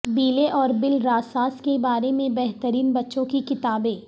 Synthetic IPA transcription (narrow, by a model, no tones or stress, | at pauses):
biːleʔɔːɾbɪlɾaːsaːskebaːɾemẽbɛɦt̪əɾiːnbɐtːʃõkikɪt̪aːbẽː